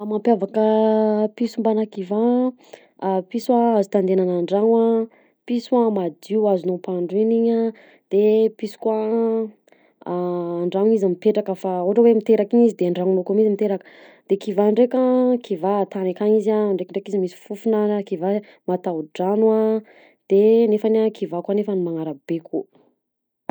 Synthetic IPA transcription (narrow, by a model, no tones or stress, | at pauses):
amampjavakəpisumbanakiva | piswaazut̪and̪enanaɳɖ͡ʐaŋa | pisuamad̪iuazunopaɳɖ͡ʐiniɲa | d̪̥episu̥kwa | ɳɖ͡ʐaŋizamipeʈ͡ʂakəfaoɦʈ͡ʂəwemit̪eɾakiɲizid̪eaɳɖ͡ʐaŋunokumizimit̪eɾakə̥ | d̪̥ekivaɳɖ͡ʐekʲakʰivat̪anakaɲizaɳɖ͡ʐekiɳɖ͡ʐekizimisi̥fufunakiva | mat̪awɖ͡ʐanua | d̪̥enefanakʰivakwanefənimaŋaɾab̥ekʰu